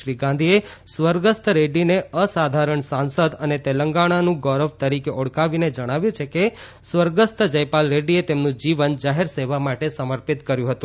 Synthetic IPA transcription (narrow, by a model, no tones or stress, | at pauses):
ɾiɡãnd̪ʱie | sʋəɾɡəst̪ʰɾeɖineəsad̪ʱaɾəɳsansəd̪ənet̪eləŋɡaɽ̃anũɡɔɾəʋt̪əɾikeʔɔɽkaʋined͡ʒəɽ̃aʋjũt͡ʃʰeke | sʋəɾɡəst̪d͡ʒəjpalɾeɖiet̪emnũd͡ʒiʋənd͡ʒaɦeɾseʋamaʈesəməɾpit̪kəɾjũɦət̪ũ